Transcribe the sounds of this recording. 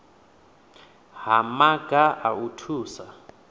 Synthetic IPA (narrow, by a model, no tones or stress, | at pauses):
ɦamaɡ̥ʱaʔautʰuːsa